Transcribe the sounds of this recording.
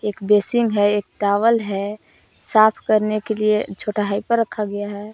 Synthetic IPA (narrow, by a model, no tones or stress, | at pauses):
eːkbeːsɪ̃ŋɡɦɛeːk̚ʈaːʋəlɦɛ | saːpʰkəɾnekeliet͡ʃʰoʈaɦaipəɾːəkʰːaɡɐjaɦɛː